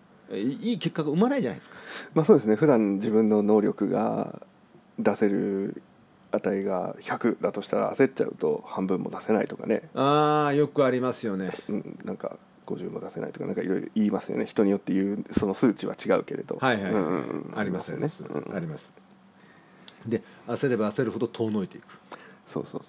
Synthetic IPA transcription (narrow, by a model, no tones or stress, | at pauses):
iːke̞kːaɡaɯ̟manaid͡ʑana̰id̪sɨ̥kḁmaːsoːd̪esɨne̞ɸɯ̟d̪ãnd͡ʑibɯ̟̃nːo̞no̞ːɾʲo̞kɯ̟ɡa̰ | d̪ase̞ɾɯ̟̰ | at̪aiɡa̰çakɯ̟d̪at̪o̞ɕi̥t̪aɾa̰ːse̞t͡ɕa̰ɯ̟̰t̪o̞̰hãmbɯ̟̃mːo̞̰d̪ase̞naḭt̪oka̰ne̞̰aːjo̞kɯ̟aɾʲimasɨjo̞neɯ̟̃ɴnã̰ŋka̰ | ɡ̥o̞ʑɨ̃ːmːo̞d̪ase̞na̰it̪okanã̰ŋkaḭɾo̞iɾo̰ʔiːmasɨjo̞̰ne̞çi̥t̪o̞ɲ̟ijo̞t̪ːe̞jɯ̟ːso̞no̞sɨːt͡ɕiβat͡ɕiɡaɯ̟ke̞ɾe̞d̪o̞̰haiɦaɯ̟̃ɯ̰̃aɾʲimasnesɨ̰̃ːaɾʲimasɨ̥ | d̪e̞ase̞ɾe̞baːse̞ɾɯ̟hod̪o̞t̪ʰo̞ːno̞it̪e̞ikɯ̥so̞̰ːso̞̰ːso